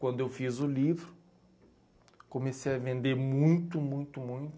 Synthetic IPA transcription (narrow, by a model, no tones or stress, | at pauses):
kwɐ̃nd̪ʊewfizʊlivɾʊ | komesejɐvẽnd̪eɾmũj̃t̪ʊmũj̃t̪ʊmũj̃t̪ʊ